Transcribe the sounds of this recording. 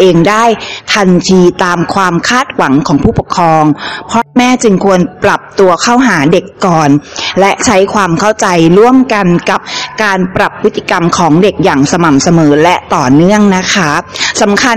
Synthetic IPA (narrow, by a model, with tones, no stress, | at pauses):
ʔeː˧ŋdaː˥˩jt̪ʰa˧nt̪ʰiː˧t̪aː˧mkʰwaː˧mkʰaː˥˩t̪̚wa˩˦ŋkʰɔː˩˦ŋpʰuː˥˩pɔ˨˩kʰːɾɔː˧ŋpʰɾɔ˦˥mɛː˥˩t͡ɕɯ˧ŋkʰu˧ənpɾa˨˩p̚t̪u˧ɐkʰa˥˩wɦaː˩˦de˨˩kːɔː˨˩nlɛ˦˥ʔt͡ɕʰa˦˥jkʰwaː˧mkʰa˥˩wt͡ɕa˧jɾu˥˩əmka˧nka˨˩p̚kaː˧npɾa˨˩pʰːɯ˦˥t̪ːi̥˨˩ka˧mkʰɔː˩˦ŋde˨˩k̚jaː˨˩ŋsa˧ma˨˩msa˧mɤː˩˦lɛ˦˥t̪ɔː˨˩nɯ˥˩əŋna˦˥kʰa˦˥sa˩˦mkʰa˧